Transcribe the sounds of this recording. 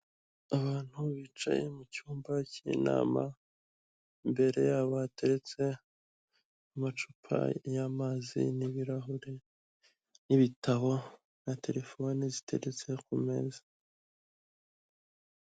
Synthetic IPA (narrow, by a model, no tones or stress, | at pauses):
aβaːn̥huβit͡ʃa̰jemucuːmbaciḭna̰ːma̰ | mbe̞ɾe̞jaβate̞ɾet͡se̞ | amat͡ʃupʰa̰jamazḭniβiɾaɦuɾe | niβitʰaɦo̞ | natʰe̞ɾe̞fo̞nizi̥tʰe̞̰ɾet͡se̞kume̞̰ːzḁ